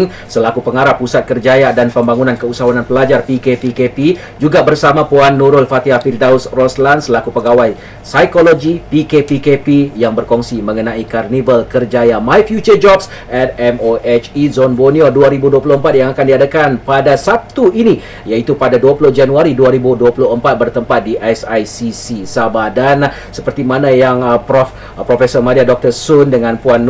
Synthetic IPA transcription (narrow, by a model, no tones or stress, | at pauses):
ŋ | səlakupəŋaɾapːusat̪̚kərd͡ʒajadanpəmbaŋunankəusawananpəlad͡ʒarpikepikepi | d͡ʒuɡabərsamãpuanːuɾʊlfat̪iɦafildausrɔslandsəlakupəɡawaj | sajkoloɡipikepikepijaŋbərkɔŋsimə̃ŋənãikarnivəlkərd͡ʒajamãjfjut͡ʃərd͡ʒɔbs | ɛt̪̚ɛmoʔet͡ʃizɔnbonioduaɾibuduap̬ulʊhəmpat̪̚jaŋakandiadakanpadasat̪uini | jait̪upadaduapulʊhd͡ʒanuaɾiduaɾibuduapulʊhəmpat̪̚bərt̪əmpat̪̚diʔasajsisisabadan | sə̥pərt̪imãnãjaŋ | pɾofesɔrmadiadɔk̚t̪ərsʊndəŋãnpuan